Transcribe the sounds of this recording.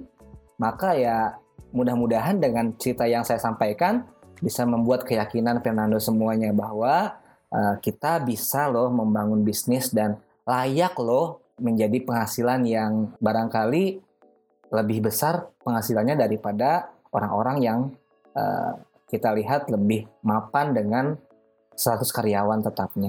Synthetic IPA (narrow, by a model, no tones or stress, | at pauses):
makajamudahmudaɦandəŋant͡ʃəɾit̪ajaŋsajasampajkanbisaməmbuat̪̚kəjakinanfɛrnandosəmuaɲabahwa | ʔəkit̪abisalɔhməmbaŋʊnbisnɪsdan | lajaklɔh | məɲd͡ʒadipəŋɦasilanjaŋbaɾaŋkali | ləbɪhbəsarpəŋhasilanɲadaɾipada | oɾaŋoɾaŋjaŋ | ə̰ | kit̪aliɦat̪ləbɪhmapandəŋan | st̪at̪ʊskaɾijawant̪ət̪ap̚ɲa